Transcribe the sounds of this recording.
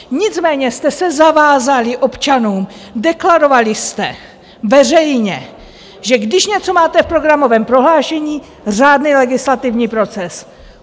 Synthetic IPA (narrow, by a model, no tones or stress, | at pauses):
ɲɪt͡smɛːɲɛst̪ɛsɛzavaːzalɪʔo̞pt͡ʃanuːmdɛklaɾo̞valɪst̪ɛ | vɛr̝ɛjɲɛ | ʒɛɡdɪʃɲɛt͡so̞maːt̪ɛfpɾo̞ɡɾamo̞vɛːmpɾo̞ɦlaːʃɛɲiː | r̝aːdnilɛɡɪslat̪ɪvɲiːpɾo̞t͡sɛs